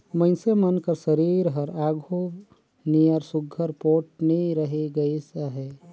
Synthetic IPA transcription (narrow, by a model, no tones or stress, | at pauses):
mɐ̃ɪ̃semɐnkəɾsɐɾiːɾɦɐɾaːɡʱoː | niəɾsʊɡʱːəɾpoːʈ̚neɾɐɦeɡɐesaɦɛː